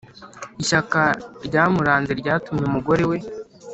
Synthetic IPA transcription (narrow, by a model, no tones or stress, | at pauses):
iʃakaɾɟaːmuɾaːnzeɾɟaːtumɲeumuɡo̞ɾe̞we